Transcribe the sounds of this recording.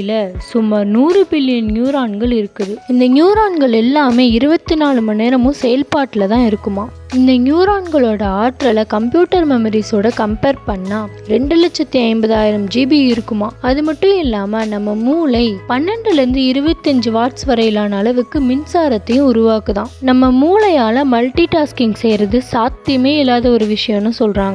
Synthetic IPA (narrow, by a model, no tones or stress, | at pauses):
lɐsʊmːaːɾnuːɾɯbɪlːɪjɐnnjuːɾaːɳɡɐɭɪɾɯkːɐðɯɪnd̪ɐnjuːɾaːɳɡɐɭɛlːaːmeːɪɾɯbɐt̪ːinaːɭɯmɐneːɾɐmʊ̃sɛjɐlpaːʈːɪlɐt̪ãːɪɾɯkːɯmaː | ɪnd̪ɐnjuːɾaːɳɡɐɭoːɽɐaːʈɾɐlɐkɐmpjuːʈːɐɾmɛmɐɾisoːɽɐkɐmpeːɾpɐɳːaː | ɾɛɳɖɯlɐt͡ʃːɐt̪ːiɐɪmbɐðaːjɪɾɐmd͡ʒiːbiɪɾɯkːɯmaːɐðɯmɐʈːʊ̃ɪlːaːmɐnɐmːɐmuːlɐɪpɐnːɐɳɖɯlɾɯnd̪ɯɪɾɯbɐt̪ːiɐɲd͡ʒɯʋaːʈsʋɐɾɐjɪlaːnɐːlɐʋɯkːɯmɪnsaːɾɐt̪ːɐjʊ̃ʊɾʊʋaːkɯt̪ãːnɐmːɐmuːlɐjaːlɐmɐlʈiʈaːskɪŋɡsɛjɾɐðɯsaːt̪ːɪjɐmeːɪlːaːðɐɔɾɯʋɪʂɐjɐ̃mnːɯsɔlraːŋɡɐ